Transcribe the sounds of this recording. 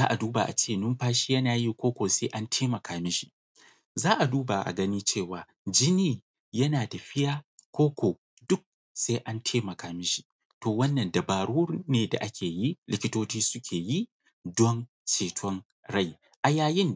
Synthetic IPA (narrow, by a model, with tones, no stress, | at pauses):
zaː˦ʔa˨duː˦ba˨ʔa̰˨t͡ʃeː˦˨nʊ˦mɸaː˦ʃiː˦jɐ˦naː˨ji˦kʷoː˦kʷoː˨se˦ʔa˦ntʰeː˦mɐ˨kʰaː˨mɪ˦ʃi̥˦˨ | zaː˦ʔa˨duː˦ba˨ʔa̰˨ɡɐ˦niː˦t͡ʃeː˦˨waː˨ | d͡ʒɪ˦niː˦ | jɐ˦naː˨da˨ɸɪ˦jaː˦kʷoː˦kʷoː˨ | dʊ˦k̚ | sa˦ʔa˦ntʰeː˦mɐ˨kaː˨mɪ˦ʃi̥˨ | toː˨wɐ˦nːɐ˨nda˨baː˨ɽuː˦neː˨da̰˨ʔa˦kʲʰeː˨ji˦lʔɪ̰˦kʲɪ˦toː˦t͡ʃiː˦sʊ˦kʲʰeː˨ji˦ | dɔ˦n | t͡ʃeː˨tʰɔ˦n | ɽa˦˨j | ʔa˨jaː˦jɪ˦n